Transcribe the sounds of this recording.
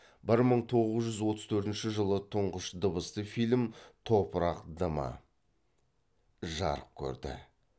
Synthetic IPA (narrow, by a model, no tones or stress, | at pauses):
bɪɾməɴt̪ʰo̞ʁəzʒʏzwo̞t̪əz̥t̪ʰɵɾt̪ɪnʃɪʒəlˠət̪ʰʊɴʁəʃd̪əbəst̪əfijlʲmt̪ʰo̞pəɾɑqd̪əmɑ̰ | ʒɑ̰ɾəq̚kʲʰɵ̰ɾd̪ɪ̰